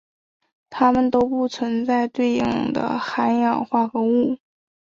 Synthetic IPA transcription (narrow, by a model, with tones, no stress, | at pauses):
t̪ʰa˥mə˨nt̪o˥ʊpu˥˩t͡sʰwə˧˥nt͡sa˥˧ɪt̪we˥˧ɪjɑ˥˩ŋd̪ə̰˧˩xa˧˥njɑ˨˩ŋxwa˥˩xɤ˧˥u˥˩